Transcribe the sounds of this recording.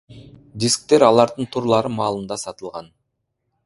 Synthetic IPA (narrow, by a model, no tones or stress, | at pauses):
d̪ʲisk̚t̪e̞ɾɑlˠɑɾd̪ɯnt̪ʰuɾlˠɑɾɯmɑːlˠɯnd̪ɑsɑt̪ɯlˠʁɑn